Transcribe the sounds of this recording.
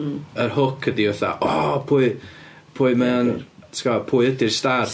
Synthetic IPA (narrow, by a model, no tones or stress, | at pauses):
ərhʊkʰədiɛθa̰ʔɔpʰuːɨ | pʰuɨmɛantʰkɔpʰuːɨədɪrstar